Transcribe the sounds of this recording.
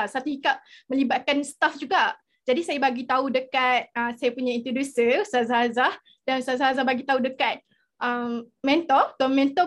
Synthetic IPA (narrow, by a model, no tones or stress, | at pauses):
sat̪uhikaʔ̚mə̃libat̪̚kansə̥t̪afd͡ʒuɡa | d͡ʒadisajabaɡit̪audəkat̪̚əsajapuɲaint̪ɾodusəsazaɦazah | dansəazaɦazahbaɡit̪audəkat̪̚ | ʔəmmɛ̃nt̪ɔt̪ɔmɛ̃nt̪ɔ